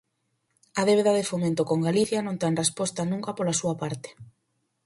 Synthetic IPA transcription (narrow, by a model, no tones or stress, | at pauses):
ɐðeβeðaðefomẽnt̪okoŋɡaliθjɐnõnt̪eŋrespɔst̪ɐnũŋkɐpolasuɐpaɾt̪e̥